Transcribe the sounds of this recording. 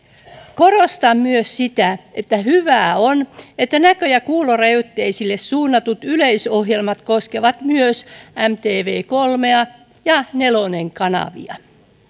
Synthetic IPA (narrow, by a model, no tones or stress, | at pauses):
korost̪ɑmmyøssit̪æet̪ːæhyʋæːonet̪ːænækøjækuːlorɑjut̪ːeisilːessuːnːɑt̪ut̪yleisoɦjelmɑt̪koskeʋɑt̪myøsæmt̪eːʋeːkolmeɑ | jɑneloneŋkɑnɑ̰ʋḭɑ̰